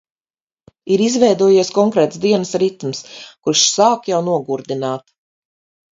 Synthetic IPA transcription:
iɾizvɛjd̪uɔjiɛskɔŋkɾɛːt̪sd̪iɛnəsɾit̪mskuɾʃsaːkjawnuɔɡuɾd̪inaːt̪

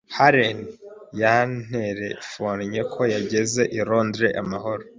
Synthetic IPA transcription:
haɾenjan̥eɾefonɲe̞kʰo̞jaɟe̞ze̞ʔiɾo̞ːndɾe̞̰ʔamaɦo̞ɾo

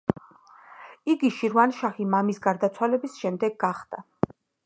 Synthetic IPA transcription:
iɡiʃiɾvanʃaχimamisɡaɾd̪at̪sʰwalɛbisʃɛmd̪ɛɡːaχd̪̥a

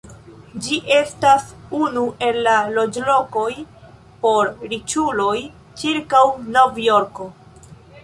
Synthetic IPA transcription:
d͡ʒiʔe̞stasunuʔe̞lːalo̞d͡ʒlo̞ko̞j | po̞ɾɾit͡ʃulo̞j | t͡ʃiɾkawno̞vjo̞ɾko̞

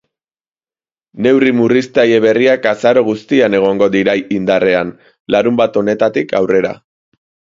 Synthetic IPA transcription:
ne̞wrimurist̪aje̞βe̞riakasaɾo̞ɣ̞ust̪iane̞ɣ̞o̞ŋɡo̞ðiɾajind̪are̞an | laɾumbat̪o̞ne̞t̪at̪ikʰa̰wre̞ɾa̰

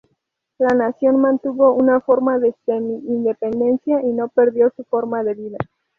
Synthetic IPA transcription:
lanasjo̞nmãnt̪uβo̞unafo̞ɾmaðest̪emiːnd̪e̞pe̞nd̪e̞nsjaʔino̞pe̞ɾðjo̞sufo̞ɾmaðe̞βiða

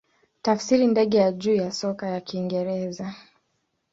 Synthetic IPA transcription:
tafsiɾindɛɠɛjaʄuːjasɔkajakiːŋɡɛɾɛza

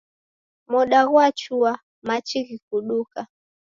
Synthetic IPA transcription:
mɔɗaɣwat͡ʃua | mat͡ʃiɣikuɗuka

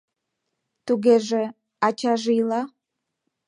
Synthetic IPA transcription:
t̪uɡʲeʒe | at͡ʃʰaʒjlɑ

